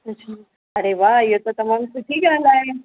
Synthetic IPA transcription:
ɐt͡ɕʰaː | ɐɾeʋaːɪɦot̪ot̪ɐmãːmsʊʈʰiɡɐə̃nd̪aːɦe

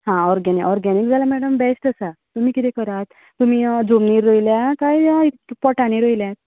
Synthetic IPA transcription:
hãɔɾɡɛnikɔɾɡɛnik̚d͡zʱalamɛɽəmbɛsʈasat̪umikit̪ɛkəɾat̪ | t̪ːum̤id͡zomniɾoiljakajipɔʈaniɾojljat̪

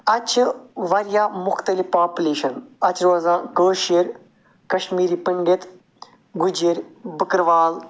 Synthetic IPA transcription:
ɐt͡ʃʰʋɐɾjaːmʊxt̪ɐlifpaːpʲuleːʃɐnɐt͡ʃʰɾoːzãːkəːʃiɾ | kɐʃmiːɾiːpəŋɡɪt̪ | ɡʊd͡ʒiɾbəkɾʋaːl

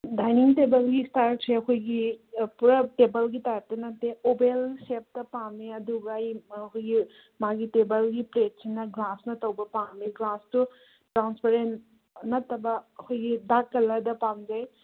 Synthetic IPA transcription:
dajniŋʈebɐlɡistaɾʈ̚t͡ʃʰeɐkʰojɡipuɾɐʈebɐlɡit̪ajaɾt̪ɐnɐt̪eobelsep̚t̪ɐpameɐd̪uɡajɐkʰojɡi | maɡiʈebɐlɡipɾet̚t͡ʃʰinɐɡlasnɐt̪ɐwbɐpamiɡlastu | ʈɾanspeɾen | nɐt̪ɐbɐɐkʰojɡidakːɐlɐd̪ɐpamd͡ʒaj

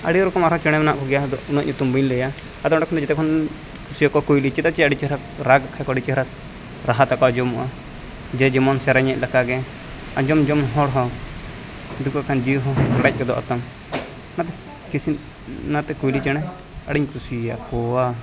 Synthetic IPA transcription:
a̰ɽiɾɔkɔmaɾɔ̃t͡ʃɛɽ̃ɛmɛnaʔkɔɡɛjad̪ɔʔunɔʔɲut̪umbinləja | ad̪ɔɳɖakʰnt̪ɔd͡ʒɛt̪ɛkʰɔn | kʰusiakɔkujlit͡ʃɛt̪at͡ʃɛaɽit͡ʃɛɾa | ɾaɡakʰakɔaɽit͡ʃɛhɾas | ɾaɦat̪akɔad͡ʒɔmuʔa | d͡ʒɛd͡ʒimɔnsaɾaɲɛʔ̚lakaɡɛ | ad͡ʒɔmd͡ʒɔmɦɔɽɦɔ | d̪ukakand͡ʒiɦɔkaɽac̚kɛd̪ɔ̰ʔa̰t̪ɔm | nat̪ɛ | kisi | nat̪ɛkujlit͡ʃɛñɛ | aɽiɲkusija̰kɔa

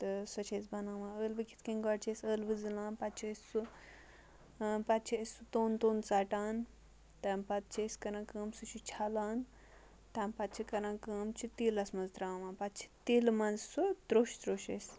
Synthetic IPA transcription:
t̪ɨswɐt͡ʃʰeːsbɐnaːʋãːəːlbɐkʰʲi̥t̪ʰkɐ̃ŋɡaɽt͡ʃʰeːsəːlbɨzɨlãːnpɐt͡ʃʰisu | pɐt̪̚t͡ʃʰiɐsut̪oːnt̪oːnt͡saːʈaːn | t̪aːmpɐt̪̚t͡ʃʰeːskɐɾãːkəːmsut͡ʃʰut͡ʃʰalaːn | t̪ampɐt̪̚t͡ʃʰikɐɾãːkəːmt͡ʃʰit̪iːlɐsmɐzt̪ɾaːʋãnpɐt̪t͡ʃʰi̥t̪iːlmɐnzsud̪ɾoːʃd̪ɾoːʃes

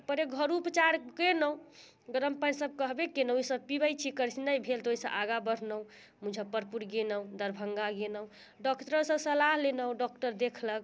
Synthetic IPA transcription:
pəɾeɡʱəɾupət͡ʃaɾkenəũ | ɡəɾəmpənsəb̚kəɦbekenəwisəb̚pibəjt͡ʃʰikəɾsinəjbʱelt̪oisəʔaɡabəɾ̤nəũ | mud͡ʒʱəpəɾpuɾɡenə̃d̪əɾbʱəŋɡaɡenə̃ | ɖɔkʈəɾsə̃səlaɦlenəw̃ɖɔkʈəɾd̪ekʰlək

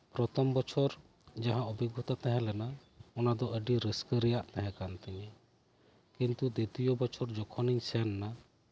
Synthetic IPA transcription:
pɾɔt̪ʰɔmbɔt͡ʃʰɔɾ | d͡ʒaɦãɔbʱiɡɔt̪at̪ɛɦɛ̃lɛna | ɔnad̪ɔʔəɖiɾiskəɾɛjaʔt̪ɛɦɛ̃kant̪ɛɲɛ | kint̪ud̪et̪ijɔbɔt͡ʃʰɔɾd͡ʒɔkʰɔniɲsɛnːa

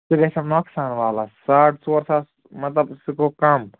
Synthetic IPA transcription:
ikɐsɐmnoːksaːnʋaːlasaːʈʰsoɾsa | mɐt̪lɐbsikokɐm

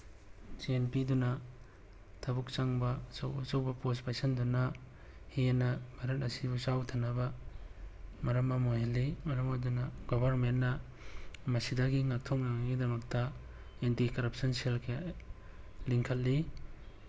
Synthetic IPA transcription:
d͡ʒienpidunɐ | tʰabuk̚t͡ʃaŋbɐsawsawbɐpospajsɐnduna | hienɐbʱaɾɐt̚ɐsibusawtʰanːabɐ | mɐɾɐmɐmoɦelːimɐɾɐmadunɐɡɔbɐɾmenːɐ | mɐsidaɡiŋak̚tʰɔk̚naŋaɡidɐmɐk̚tɐ | entikɐɾɐp̚sɔnselkʰe | liŋkʰɐl̚li

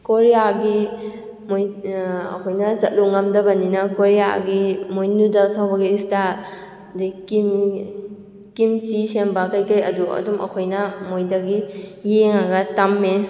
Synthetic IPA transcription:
koɾijaɡi | mojɐ̰kʰojnɐt͡ʃɐt̚luŋɐmdɐbɐninɐkoɾija̰ɡimojnudɐsawbɐɡista | diki | kimsisembakajkɐjɐ̰duɐ̰dumɐ̰kʰojnɐmojdɐɡijeŋaɡɐtamːe

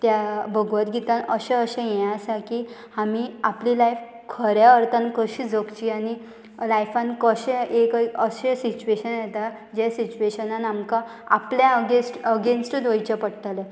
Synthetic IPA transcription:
t̪jabəɡʱʋət̪ɡʱit̪anəɕɛ̃əɕẽjɛãəsaki | hamiaplilajf | kʰəɾjaəɾt̪ʰankəɕiːd͡zəkt͡ɕiːañi | lajfankəɕẽʔekkəɕesit͡ɕueɕənjet̪a | d͡ʑesit͡ɕueɕənanamka | a̰pljaəɡesʈəɡensʈd̪ʋəjt͡ɕapəɽt̪ale

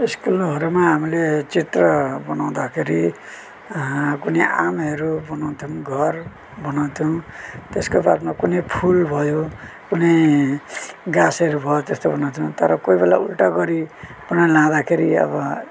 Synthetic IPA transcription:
iskulɦʌɾumaɦamilet͡sit̪rʌbʌnaw̃d̪akʰeɾi | kunejʔamʌɾubʌnaw̃t̪ʰijow̃ɡʱʌr | bʌnaw̃t̪ʰjow̃t̪eskopaɾmakunejpʰulbʱʌjo | kunej | ɡasʌɾubʱʌjot̪est̪obʌnaw̃t̪ʰow̃t̪ʌɾʌkoibelaulʈaɡʌɾi | b̥ʌnalãd̪akʰeɾiʌ̰bʌ

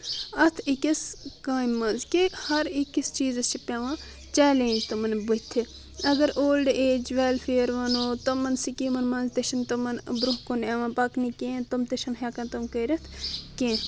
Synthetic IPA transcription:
ɐt̪ʰikɐskaːimːɐnzkihɐɾikist͡ʃiːzɐst͡ʃipʲaʋãː | t͡ʃɛːlẽːnd͡ʒt̪omɐnbut̪ʰːi | ɐɡɐɾʔoːlɖeːd͡ʒʋeːlfʰeːɾʋɐnoːt̪omɐnsikiːmɐnmɐnzt̪ɐʃɐnt̪omɐnbɾuɦkoneʋãːpɐknikẽːnt̪omt̪eʃɐnɦjaːkɐnt̪ɐmkɐɾɐt̪ʰkẽː

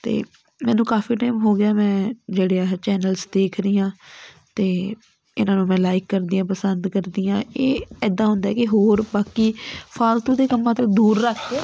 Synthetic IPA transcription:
t̪ḛː | mɛ̃ːnũːkaːfiːʈaːɪmɦoːɡɪjaːmɛ̃ːd͡ʒeːɽeaːt͡ʃɛːnəlsd̪eːkʰɾiːãː | t̪eː | ɪnãːnũːmɛ̃ːlaːɪkːəɾd̪iːãːpəsənd̪kəɾd̪iːãːeːɛːd̪ãːɦʊ̃nd̪aɛːkɪɦoːɾbaːkiːpʰaːlt̪õːd̪eːkəmːãːt̪õːd̪uːɾːəkʰː

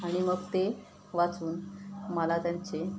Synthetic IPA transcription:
aɽ̃iməɡt̪e | ʋat͡suːnməlat̪jaɲt͡se

